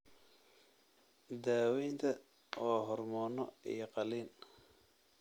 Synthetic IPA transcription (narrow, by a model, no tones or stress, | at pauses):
d̪aːwɛjnt̪ʰɐ | wɑːɦɔrmɔːnɔ̰ḭjɔqɑliːn